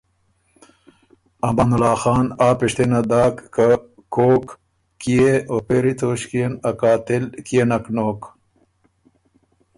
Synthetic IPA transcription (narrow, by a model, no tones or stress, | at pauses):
ɐmɐnulɑːxɑːnaːpiʂt̪enɐd̪aːkːa | koːkː | ijeoːpeːɾit̪oːɕkijenɐkaːt̪ilkijenɐknoːk